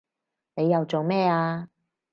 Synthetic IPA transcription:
ne˨˧jːɐ˨˧wt͡so˨wmɛː˥aː˧

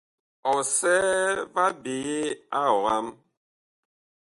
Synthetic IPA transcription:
ɔ˨sɛ˦va˦be˨je˦a˦ɔ˨ɣa˦m

